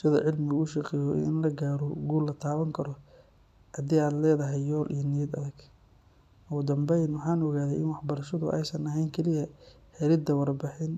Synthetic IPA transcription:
sɪðɐʕɪlmɪɣʊʃɑqɛjɔ̰ɪ̰nlɐɡaːɾɔɡuːlːɐt̪ʰaːwɐŋkʰɐɾɔ | hɐd̪iːaːd̪lɛːðɐɦɛjjɔːlʔḭjnɪjɐd̪ɐ̰ðɐɡ | ʊɣʊd̪ɐmbɛjnwɑħɑːnɔɣaːðɛjɪnwɑħbɐɾɐʃɐðʊ̰ʔɛ̰jsɐnɐɦɛjŋkʰɛlɪjɐ | ħɛɾɪd̪ɐwɑrbɪħɪn

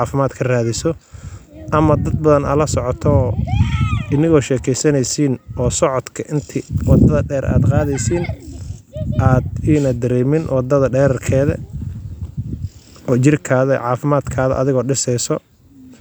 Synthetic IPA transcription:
ʕɑːfɪmaːd̪kʰɐraːðɪsɔ | ʔɐmɐd̪ɐd̪̚bɐðɐnaːlɐsɔʕɔt̪ʰɔ | ʔɪnɪɣɔːʃɛːkʰɛjsɐnɛjsiːnʔɔːsɔʕɔd̪kʰɐʔɪnt̪ʰɪwɑd̪ɐðɐɖɛːɾʔa̰ːd̪qɑːðɛjsiːn | ʔaːd̪iːnɐd̪ɐɾɛːmɪnwɑd̪ɐðɐɖɛːɾɐrkʰɛːðɐ | ɔːt͡ʃɪrkʰaːðɐʕɑːfɪmaːd̪kʰaːðɐ̰ʔɐðɪɣɔːɖɪsɛjsɔ

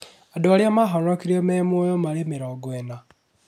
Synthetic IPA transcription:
adoaljamaɦaɾɾakiɾiememwojomaɾemeɾaːɡwena

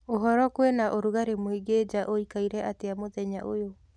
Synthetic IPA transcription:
oɦɔɾɔkwenaʔoɾuɣaɾemoiɡed͡ʑaʔoikaiɾɛateamoðɛɲaʔojo

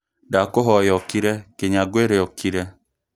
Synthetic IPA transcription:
dakoɦɔjɔkiɾɛkeɲaɡweɾeɔkiɾɛ

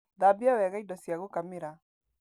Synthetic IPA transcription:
ðabiawɛɣaidɔsjaɣokamiɾa

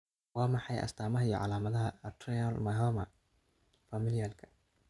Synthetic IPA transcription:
wɑːmɑħɑjɐ̰st̪ʰaːmɐɦɐiːɔ̰ʕɑ̰laːmɐðɐɦɐt̪ʰrɛɐlmɐɦɔmɐ | fɐmɪlijɐlkʰɐ̥

